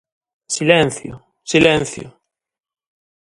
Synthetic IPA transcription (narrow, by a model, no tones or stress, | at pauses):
silɛnθjo̰ | silɛ̃nθjo̰